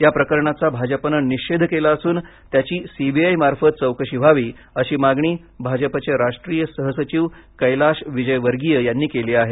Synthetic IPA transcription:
japɾəkəɾɳat͡sabʱad͡ʑəpənəniɕed̪ʱkelaəsuːn | t̪jat͡ɕiːsibʱiajmaɾfət̪̚t͡səwkəɕibʱaʋiː | əɕiːmaɡɳ̃iː | bʱad͡ʑəpat͡ɕeɾaʂʈɾijəsəɦəsət͡ɕiʋkəjlaɕʋid͡ʑəjʋəɾɡijəjanːiːkeliːaɦe

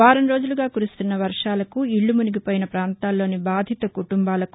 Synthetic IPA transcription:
aːɾɐmɾo̞ːd͡ʒuluɡaːkuɾust̪unːɐʋɐɾʂaːlɐkuiɭːumuniɡipoːjinɐpɾaːnt̪aːlːo̞ːnibaːd̪ʱit̪ɐkuʈumbaːlɐku

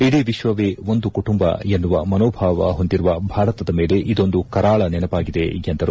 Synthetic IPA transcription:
id̪eːʋiʃʋɐʋeːo̞nd̪ukuʈumbɐ̰enːuʋɐmɐnoːbʱaːʋɐɦo̞nd̪iɾuʋɐbʱaːɾɐt̪ɐd̪ɐme̞ːle̞ʔid̪o̞nd̪ukɐɾaːɭɐnɛnɐpaːɡid̪eɡjɐnt̪ɐɾu

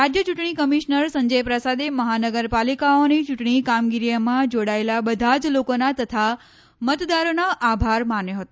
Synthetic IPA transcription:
ɾad͡ʒjət͡ʃuʈɳ̃ikəmiʃnəɾsə̃ɲd͡ʒəjpɾəsad̪eməɦanəɡəɾpalikaonit͡ʃuʈɳikamɡiɾijəmãd͡ʒoɽaelabəd̪ʱad͡ʒlokonat̪ət̪ʰa | mət̪d̪aɾonaʔabʱaɾmanjoɦət̪o

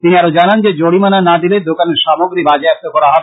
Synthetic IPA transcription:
t̪iniaɾod͡ʑanand͡ʑed͡ʑoɽimananad̪iled̪okaneɾʃamoɡɾibad͡ʑaapt̪okɔɾaɦɔbe

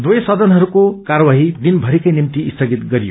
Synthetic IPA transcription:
d̪wujsʌd̪ʌnɦʌɾukokaɾwaɦid̪inbʱʌɾikʌjnimt̪iːst̪ʰʌɡit̪̚ɡʌɾijo̰

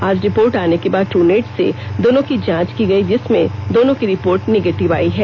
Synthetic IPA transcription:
aːd͡ʒɾɪpoːɾʈaːnekebaːd̪̚ʈuːneːʈsḛd̪oːnõkid͡ʒãːt͡ʃkiɡɐid͡ʒɪsmẽd̪oːnõkiɾɪpoːɾʈneɡeːʈɪʋa̰ːiɦɛː

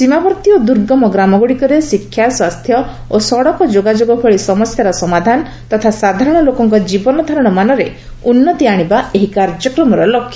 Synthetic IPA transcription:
simabɔɾt̪iɔd̪uɾɡɔmɔɡɾamɔɡuɽikɔɾesikʰːjaswast̪ʰjɔ | osɔɽɔkɔd͡ʒoɡad͡ʒoɡɔbʰʱɔɭisɔmɔsjaɾɔsɔmad̪ʱanɔ | t̪ɔt̪ʰasad̪ʱaɾɔɽ̃ɔlokɔŋkɔd͡ʒibɔnɔd̪ʱaɾɔɽ̃ɔmanɔɾe | unːɔt̪iaɽ̃ibaeɦikaɾd͡ʒɔkɾɔmɔɾɔlɔkʰːjɔ

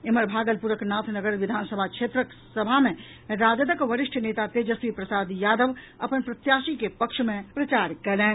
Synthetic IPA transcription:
ɪməɾbʱaːɡəlpuɾəknaːt̪ʰnəɡəɾʋɪd̪ʱaːnsəbʱakʃeːt̪ɾək | səbʱamẽ | ɾaːd͡ʒəd̪əkʋəɾɪʃʈʰəneːt̪at̪eːd͡ʒəsʋipɾɐsaːd̪jaːd̪əʋ | ɐpənpɾɐt̪jaːʃikepəkʃmẽpɾɐt͡ʃaːɾkɐlẽː

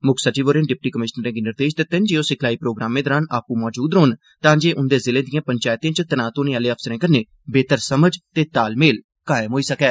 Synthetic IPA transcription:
mʊkʰsəʈiːʋoːɾẽːɖɪp̚ʈiːkəmɪʃnəɾɛ̃ːɡiːnɪɾd̪eːʃt̪eːt̪ɪnd͡ʒiːoːsɪkʰlaːiːpɾoːɡɾaːmẽːd̪ɔːɾaːnaːpũːmɔːd͡ʒuːd̪ɾoːn | t̪ãːd͡ʒeːʔʊnd̪eːzɪlẽːd̪ɪjãːpəɲt͡ʃaːjɪt̪ĩẽːt͡ʃət̪ənãːt̪oːnẽːaːleːəpʰsəɾẽːkəɾneː | beːt̪əɾsəməd͡ʒt̪eːt̪aːlmeːl | kaːɪmɦoːiːsəkɛː

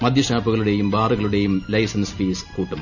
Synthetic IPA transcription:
mɐd̪ʱjɐɕaːpːuɣɐɭuɽe̞jumbaːruɣɐɭuɽe̞jumlɐjsɐnspiːskuːʈːum

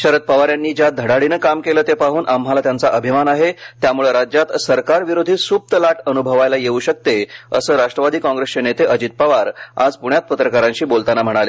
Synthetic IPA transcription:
ɕəɾət̪̚pəʋaɾjanːiːd͡ʑjad̪ʱəɽaɽinəkamkeləːt̪epaɦuːnʔam̤alat̪jant͡saʔəbʱimanaɦet̪jamuɭeɾad͡ʑjat̪səɾkaɾʋiɾod̪ʱiːsuːp̚t̪əlaʈənubʱəʋajlajeuɕək̚t̪eəsəːɾaʂʈɾəʋad̪ʱiːkɔ̃ŋɡɾest͡ɕenet̪eʔəd͡ʑit̪̚pəʋaɾa̰d͡zpuɳjat̪̚pət̪ɾəkaɾãɲɕiːbolt̪anam̤əɽ̃ale

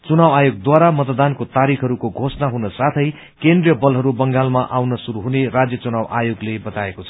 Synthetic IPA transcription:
t͡sunawajoɡ̚d̪waɾamʌt̪d̪ankot̪aɾikʰɦʌɾukoɡʱosnaɦunʌsat̪ʰʌj | kend̪rijʌbʌlɦʌɾubʌŋɡalmaʔawnʌsuɾuɦunerad͡zjʌt͡sunawʔajoɡlebʌt̪aekot͡sʰʌ

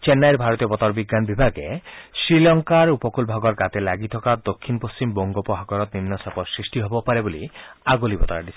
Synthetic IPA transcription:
t͡ʃenːajɾbʱaɾɔt̪ijɔbɔt̪ɔɾbiɡːanbibʱaɡesɾilɔŋkaɾupɔkulbʱaɡɔɾɡat̪elaɡit̪ʰɔkad̪okʰːinpost͡ʃimbɔŋɡɔpɔɦaɡɔɾɔt̪̚ninːɔsapɔsɾisʈiɦobɔpaɾebolḭaɡolibɔ̰t̪ɔɾaɖisʰi̥

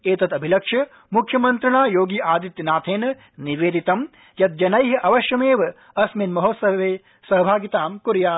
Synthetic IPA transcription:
eːt̪ɐt̪ɐbʱilɐkʂɐ | mukʰjɐmɐnt̪ɾɐɳaːjoːɡiːʔaːd̪it̪jɐnaːt̪ʰeːnɐ | niʋeːd̪it̪ɐm | jɐt̪̚d͡ʒɐnɐjɦɐʔɐʋɐʃjɐmeːʋɐ | ɐsmenmɐɦoːt̪sɐʋeː | sɐɦbʱaːɡit̪aːmkuɾjaː

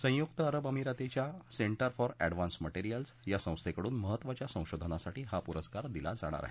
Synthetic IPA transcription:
sə̃jukt̪əːɾəbəmiɾat̪et͡ɕjaseɳʈəɾfɔɾɛ̰ɖʋansməʈeɾijəlsjasə̃w̃st̪ʰekəɽuːnməɦət̪ːʋat͡ɕjasə̃w̃ɕod̪ʱənasaʈiːɦapuɾəskaɾd̪ila̰d͡za̰ɽ̃a̰ɾa̰ɦe

